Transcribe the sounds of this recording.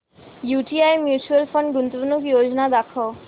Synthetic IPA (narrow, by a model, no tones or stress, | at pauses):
juʈiajmjut͡ɕualfoɳɖɡunt̪obnukjod͡ʑonad̪akʰːo